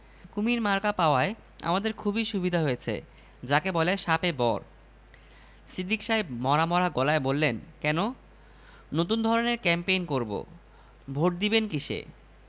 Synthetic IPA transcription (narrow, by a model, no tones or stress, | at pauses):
kumiɾmaɾkapaoae | a̰mad̪eɾkʰubʱiʃubid̪ʱaɦojet͡ɕʰḛ | d͡ʑakebɔleʃapebɔɾ | sid̪ikʃaemɔɾamɔɾaɡɔlaebolːenkɛno | not̪und̪ʱɔɾoneɾkɛmpejnkoɾbo̰ | bʱoʈ̚d̪ibenkiʃḛ